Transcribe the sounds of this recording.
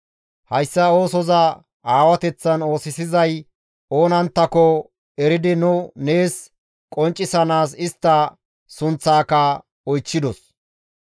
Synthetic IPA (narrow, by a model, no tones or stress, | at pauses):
hɐjsːɐo̞ːsɔzɐ | ʔaːwɐt̪ɛt͡sːɐno̞ːsɪsɪzɐj | o̞ːnɐnt̪ːɐkɔ | ɛɾɪd̪ɪnʊne̞ːs | kʼɔnt͡ʃʼːɪsɐnaːs̬ɪst̪ːɐ | sʊnt͡sːaːkɐ | ɔjt͡ʃːɪd̪ɔs